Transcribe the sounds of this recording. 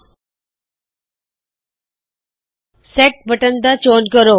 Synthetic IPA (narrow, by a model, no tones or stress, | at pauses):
sek̚bʱəʈənd̪at͡ɕoːnkəɾoː